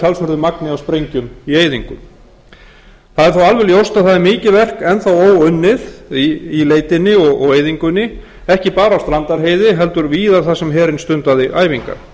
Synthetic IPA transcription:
alsœɾðʏmaknɪawspɾejɲcʏmieːjðiŋkʏ̰m | θaðɛɾ̥θawalvɛljowst̪aθaðɪɾmɪːcɪvɛr̥kɛnθawoːwʏnːɪðiileːjt̪ɪnːɪɔɣɔ̰ɣeːjðiŋkʏnːɪ | ɛhcɪpaːɾawst̪ɾant̪aɾɦeːjðɪɦɛlt̪ʏɾviːðaθasɛmɦɛːɾɪnst̪ʏnt̪aðɪʔaːjviŋka̰ɾ̥

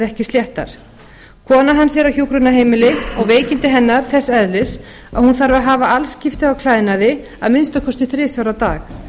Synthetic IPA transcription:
ɛhcɪsjɛht̪a̰ɾ̥ | kʰɔːnaɦanːsjɛɾawçjuːkɾʏnaɦeːjmɪlɪɔɣveːjcɪnt̪ɪɦɛnːaɾ̥θɛsːɛðlɪs | a̰ðhunθaɾvaɦaːvaʔalscɪft̪ɪawkʰlaːjðnaðɪ | a̰ðmɪnst̪akʰɔst̪ɪθɾɪːsjawɾawt̪a̰ːx

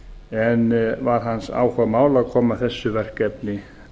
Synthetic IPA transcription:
ɛnvaɾ̥ɦansa̰wkʰvamaːwlaðkʰɔːmaθɛsːʏvɛr̥kɛpnɪ

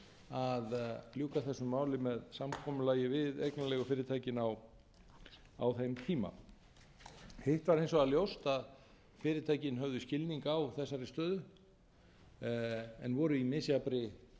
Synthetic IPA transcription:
aðljuːkaθɛsːʏmːaːwlɪmɛðsamkʰɔːmʏlaːjɪvɪðejknalɛɣʏfɪːɾɪt̪ʰaːjcɪnaw | a̰wθejmt̪ʰiːma̰ | hejht̪vaɾejnsɔɣaljowst̪að | fɪːɾɪt̪ʰaːjcɪnɦœvðʏscɪlniŋkawθɛsːaɾɪst̪œːðʏ | ɛ̰nvɔːɾʏimɪsiapɾɪ

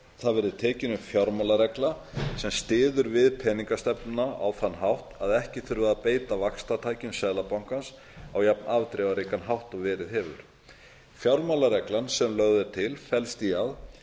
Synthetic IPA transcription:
θaðvɛɾðɪðt̪ʰɛːcɪnʏmfjawɾmalaɾɛkla | sɛmst̪ɪːðʏɾvɪðpʰɛniŋkast̪ɛpnnaa̰wθanːɦawht̪aðɛhcɪθʏɾvɪðapeːjt̪avakst̪at̪ʰaːjcɪnsɛðlapawŋ̥kans | awjapnaːvt̪ɾɛvaɾikanɦawht̪ɔɣvɛːɾɪðɦɛvʏ̰ɾ̥ | fjawɾmalaɾɛklansɛmlœɣðɛɾt̪ʰɪlfɛlst̪iað

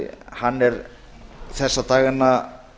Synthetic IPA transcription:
hanːɛɾ | θɛsːat̪aːɣɪnːa

